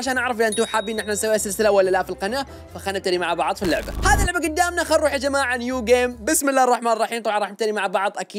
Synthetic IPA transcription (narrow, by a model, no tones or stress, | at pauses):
aʃaːnʔɑʕɾˤɑflʔɪnt̪uħaːbiʔɪnːʔɪħnansawːeːsɪlsɪlawalːalafilqɑna | faxaːnɪt̪aɾimaʕbɑʕðˤfilːʊʕbahaːðilʊʕbaɡʊd̪ːaːmnaxanɾˤuːħid͡ʒamaːʕʕanjuːɡeːmbɪsmɪlːaːhrˤːɑħmaːnrˤːɑħiːmt̪ˤɑbʕɑnˤɑːħnɪt̪aɾimaʕbɑʕðˤʔakiː